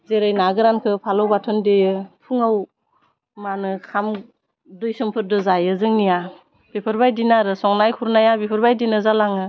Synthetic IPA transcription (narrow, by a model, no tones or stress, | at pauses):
zeɾɯjnaɡɯɾankʰɯpʰalɔwbatʰɯndejɯpʰuŋaw | manɯkʰam | dɔjsɯmpʰɯɾdɯzajɯzɯŋnija | bepʰɯɾbajdinaɾɯsɔŋnajkʰuɾnajabepʰɯɾbajdinɯzalaŋɯ